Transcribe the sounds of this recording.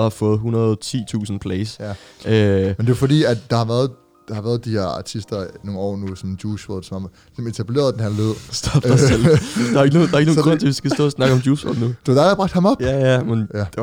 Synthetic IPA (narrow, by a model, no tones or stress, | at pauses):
hɑ̈fɔ̽ːð̞̩ˠɦunɐð̩ˠt͡sʰḭːt͡sʰṵːsn̩pʰlɛsjæømend̥e̝fd̥ḭːædd̥ɑ̈hɑ̈ʋæːɐð̩ˠ | d̥ɑ̈hɑ̈ʋæːɐð̞̩ˠd̥iheɐɑ̈t͡sʰisd̥ɐno̝ːɒ̰ːnusɒ̽md̥juːsod̥sɒ̽mɑm | sɒme̝t͡sʰæb̥le̝̰ːɐðˠd̥enhæleð̰ˠsd̥ɒb̥d̥eläeɡ̥ənodɑ̈eɡ̥əno̝ːɡ̥ʁɔ̽n̰t͡sʰe̝ʋisɡ̥æsd̥ɔ̰̽ːsnɑ̈ɡ̥əɒ̽md̥juːsʋɔ̰d̥nud̥e̝d̥æd̥ɑbʁɑ̈ɡ̥̚d̥hɑ̈mɒb̥æjæmenjæd̥